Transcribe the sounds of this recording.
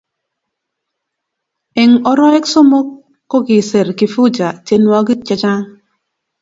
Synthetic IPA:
ɪ˨ŋɔ˨ɾɔ˦ɛ˦kso˦mo˦kː | o˦ɡɪ˨se˨ɾki˨fu˦d͡ʒa˨te˦nwa˦ɡi˦t͡ʃɛ˦t͡ʃa˦ŋ

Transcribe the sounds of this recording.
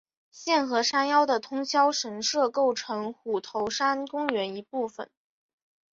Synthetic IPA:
ɕjɛ˥˩nxɤ˧˥ʂa˥njɑ˥ʊd̪ə˨t̪ʰʊ˥ŋɕʰjɑ˥ʊʂə˧˥nsɤ˥˧ko˥˩ʊʈ͡ʂʰɤ˧˥ŋxu˨˩t̪ʰo˧˥ʊʂa˥nkʊ˥ŋɥɛ˧˥ni˧˥pu˥˩fə̰˩n

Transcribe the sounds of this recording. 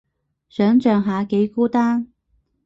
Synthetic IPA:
sœː˨˥ŋt͡ʃœː˨˧ŋɦaː˨˧ke˨˥jkuː˥t̪aː˥ŋ

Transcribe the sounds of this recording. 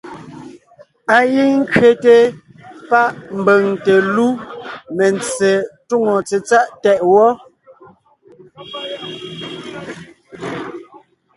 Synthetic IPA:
a˨ji˦ŋ̩˦kɥe˨te˦ | pa˦ʔm̩˨be˨ŋte˨lu˦me˨nt͡se˨tu˦˨ŋo˨t͡se˨t͡sa˦ʔtɛ˨ʔwɔ˦

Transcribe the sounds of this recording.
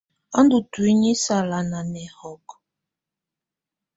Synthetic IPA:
a˦ndu˨tu˨i˦ɲi˦sa˨la˨na˨nɛ˨hɔ˨k

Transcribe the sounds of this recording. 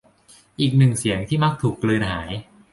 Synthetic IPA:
ʔiː˨˩k̚nɯ˨˩ŋsi˩˦əŋt̪ʰiː˥˩ma˦˥˩k̚t̪ʰuː˨˩kːlɯː˧nhaː˩˦j

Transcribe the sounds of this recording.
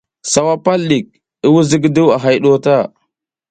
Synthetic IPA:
sa˨wa˦pa˦lɗi˨k̚ | i˦wu˦zi˦ɡdu˦wa˨ɦa˦jɗo˦ta˦˨

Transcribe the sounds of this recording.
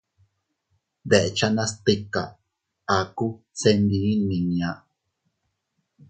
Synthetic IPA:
d̪e˨ʔe˨t͡ʃa˦nã˦st̪i˦ka̰˨ | a˨ku˦ | se˦nd̪i˧˦nĩ˨nĩ˨ã˨ʔ

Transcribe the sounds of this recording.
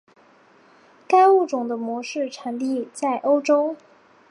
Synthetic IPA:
ka˥ɪu˥˩ʈ͡ʂʊ˨˩ŋd̪ə˦mwɔ˧˥ʂɻ̩˥˩ʈ͡ʂʰa˨˧˥nt̪i˥˧t͡sa˥˩ɪʔo˥ʊʈ͡ʂo˥ʊ

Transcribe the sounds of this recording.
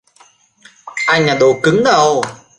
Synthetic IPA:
ʔa˧jɲa˨˩ɗo˧˨˩kɨ˨˦ŋɗ̪ə˧w

